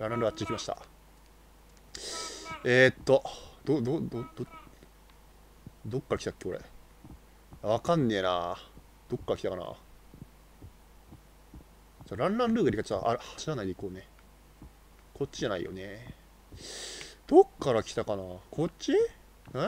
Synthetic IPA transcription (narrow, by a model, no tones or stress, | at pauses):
ɾãɾãnɾɯ̟ɡat͡ɕːikʲimaɕi̥t̪a̰ | et̪ːo̞d̪̥od̪od̪o | d̪o̞kːaɾakʲi̥t̪ḁkːeo̞ɾḛ | jaβakãnːe̞ːna̰ | d̪̥o̞kːaɾakʲi̥t̪akana̰ː | t͡ɕaɾãnɾãnɾɯːɡaɾʲikat͡ɕːʔa̰ɯhḁɕiɾanːaid̪eikoːne | kʰo̞t͡ɕt͡ɕːiʑanaḭjo̰ne | d̪̥o̞kːaɾakʲi̥t̪akanaːkʰo̞ɕi | na